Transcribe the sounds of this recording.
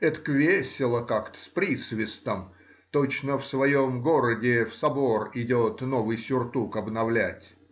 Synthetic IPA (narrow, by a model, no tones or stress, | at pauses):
ɛt̪ə̥kvʲesʲɪlˠəkakt̪ə̥spɾʲisvʲɪst̪əm | t̪ot͡ɕnəfsvɐjomɡoɾədʲɪfsɐbo̞rɪdʲot̪novɨjsʲʊrt̪ukɐbnɐvlʲætʲ